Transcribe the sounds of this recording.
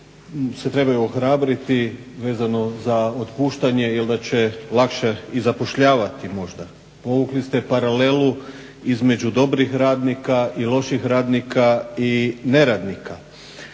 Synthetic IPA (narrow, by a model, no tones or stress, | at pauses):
se̞t̪ɾe̞bajuoxɾaːbɾit̪i | ʋe̞ːzano̞zaot̪puːʃt̪aɲe̞jild̪at͡ɕe̞lˠakʃeizapo̞ʃʎaːʋat̪imo̞ʒd̪a | po̞ʋuklist̪epaɾale̞lu | izme̞d͡ʑud̪o̞bɾixɾaːd̪nikaʔilo̞ʃixɾaːd̪nikʰaine̞ɾad̪nikʰa